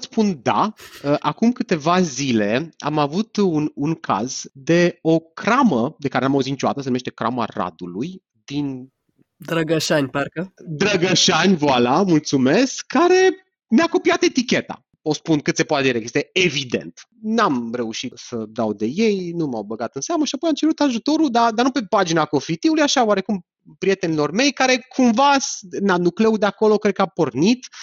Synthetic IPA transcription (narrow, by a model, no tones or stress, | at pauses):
spund̪a̰əʔakumkɨt̪e̞vazile̞a̰mavut̪ununkʰa̰zd̪e̞o̞kɾaməd̪e̞kaɾenamauzint͡ʃuat̪əsənumeʃt̪e̞kɾa̰ma̰ra̰d̪uluj | d̪in | d̪ɾəɡəʃanʲparkəd̪ɾəɡəʃanʲvoalamult̪sume̞skʰːaɾe̞ | meako̞piat̪e̞t̪ikʲe̞t̪a̰ | o̞spunkɨt̪se̞poat̪ed̪iɾekjest̪eevid̪e̞̰nt̪namre̞uʃit̪səd̪awd̪e̞je̞jnuma̰wbəɡat̪ɨnseaməʃiapo̞jamt͡ʃe̞ɾut̪aʒut̪o̞ɾuld̪ad̪anupe̞pad͡ʒinako̞fit̪iulujaʃaoaɾe̞kum | pɾije̞t̪e̞nilo̞rme̞jkaɾe̞kʰumvasnamnuklewd̪eako̞lo̞kɾet̪kapo̞rnit̪